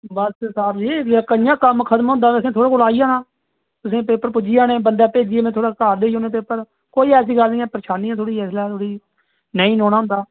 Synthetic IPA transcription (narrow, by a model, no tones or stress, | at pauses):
bəssaːbd͡ʒikːkəjãːkəmkʰət̪mɦʊ̃nd̪aːʊsẽːt̪ʰoːɽaːkʊlaːijaːnaː | t̪ʊsẽːpeːpːəɾpʊd͡ʒiːaːnẽːbənd̪ɛːpeːd͡ʒiːaːmẽːt̪ʰoːɽaːkaːɾd̪eːioːnẽːpeːpːəɾ | koːiːɛːs̬iːɡəlnĩːɛ̃ːpəɾəʃaːniːãːt̪ʰoːɽiːɛːslɛːt̪ʰoːɽiː | nəĩːnõːnaːɦʊ̃nd̪aː